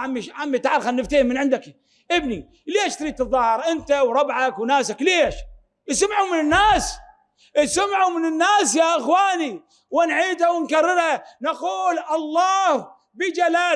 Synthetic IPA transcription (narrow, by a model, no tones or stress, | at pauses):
ʕamːiʃʕamːit̪aʕaɾˤxalnɪft̪ahɪmːɪnʕɪnd̪aki | ʔɪbni | leːʃt̪ɾiːt̪ɨðˤːɑːhɪɾʔɪnt̪awɾˤɑbʕakwnaːsakleːʃ | ʔɪsamʕumɪnɪnːaːs | ʔɪsamʕumɪnɪnːaːsjaʔɪxwaːni | wɪnʕiːd̪hawɪnkarːɪɾhanaquːlʔɑlˤːɑːh | bɪd͡ʒalaː